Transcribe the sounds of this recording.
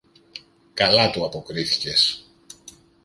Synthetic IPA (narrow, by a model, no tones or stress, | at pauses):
kɐlɐt̪uɐpo̞kɾiθi̥ce̞s